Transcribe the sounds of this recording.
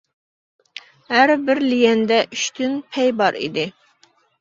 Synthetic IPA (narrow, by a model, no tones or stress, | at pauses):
hæɾbɪɾlijɛnd̪ɛʔyʃt̪ʰynpʰɛjbɑɾḭd̪ɪ